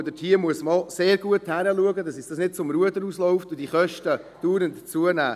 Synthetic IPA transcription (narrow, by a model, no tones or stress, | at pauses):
dətʰhiːəmuəsmɑlseːɾɡuəthæɾəluəɡədɑsɪsd̥ɑsnɪt̚t͡sʊmɾuədəɾuslɔʊftʊd̥iχœʃtəd̥uːɾəntt͡suənæ̰ː